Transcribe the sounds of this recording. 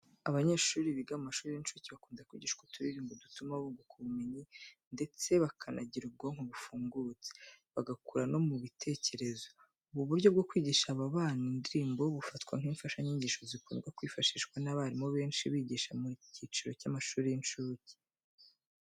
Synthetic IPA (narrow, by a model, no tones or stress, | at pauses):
aβaɲe̞ːʃuːɾiβiɡaamaʃuːɾijint͡ʃuːciβakuːnzakwḭːɟiʃkwutʰuɾiɾiːmbodutumaβuːŋɡokʰuβumeɲinde̞t͡se̞βakʰanaɟiɾub̚ɡoŋ̥uβufuːŋɡut͡se̥βaɡakuɾano̞muβitʰe̞ːce̞ɾe̞zo̞ | uβuβuɾɟo̞b̚ɡo̞kwiːɟiʃaβaβaːnindiɾiːmbo̞βufatkwaŋ̥iːɱfaʃaɲiːɲɟiːʃo̞zikuːnɡwakwiːfaʃiʃkwanaβaɾimo̞βe̞ːnʃiβiːɟiʃamuciːt͡ʃiɾo̞camaʃuːɾijinʃuːci̥